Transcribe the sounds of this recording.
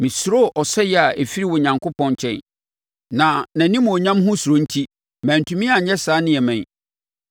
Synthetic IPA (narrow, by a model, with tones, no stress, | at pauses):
mĩ˨sɾo˦ʔɔ˨sɛ˦jɛ˨a˨ʔe˨fi˦ɾi˦˨wɔ˨ɲã˨ŋkʰo˦pʰɔ̃˦ɲ˦t͡ɕʰɛ̰̃˦n | nã˨nã˨nĩ˦m˨ɔ˨ɲã˦mɦʊ̃˦su˨ɾo˦n̩˦tʰi˦ | mæ̃˨n̩˨tʰũ˨mĩ˦a˨ɲɛ˦saː˨˦nɪ̃˦ɛ˨mɛ̃˨